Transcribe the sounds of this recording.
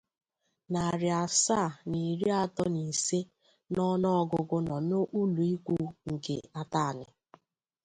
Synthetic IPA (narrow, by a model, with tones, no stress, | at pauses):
na˨ɾɪ˨a˨sa˦˨ni˨ɾi˦a˦tɔ˦ni˨se˦ | nɔ˦nɔ˦ɔ˦ɡʊ˦ɡʊ˦nɔ˨nʊ˦ʔu˦lu˨i˦kʷu˦ŋ̩˨kḛ˨a˦ta˦a˨nɪ̰˨